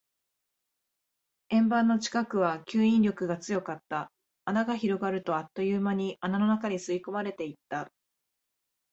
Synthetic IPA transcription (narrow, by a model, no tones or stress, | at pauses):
ẽ̞mbãnːo̞t͡ɕi̥kakɯ̟β̞akʲɨːĩnɾʲjo̞kɯ̟ɡat͡sɨjo̞kat̪ːaː | naɡaçiɾo̞ɡaɾɯ̟t̪o̞at̪ːo̞jɯːmaɲ̟iʔanano̞nakaɲisɨiko̞maɾe̞t̪e̞it̪ːa